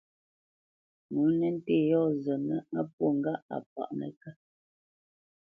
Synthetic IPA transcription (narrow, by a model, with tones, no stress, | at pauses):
mu˨˦nɛ˦n̩˦te˦˨jɔ˦˨zə˨nə˦a˦p̚wo˦˨ŋ̩˨ɡa˦a̰˨p̚a̰˨ʔnə̰˨ka˦